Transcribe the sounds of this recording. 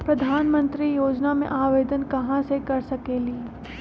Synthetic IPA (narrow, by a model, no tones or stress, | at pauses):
pɾɐd̪ʱaːnmə̃nt̪ɾijoːd͡ʒnamḛ̃ʔaːʋeːd̪ənkɐɦãsekɐɾsɐkeːliː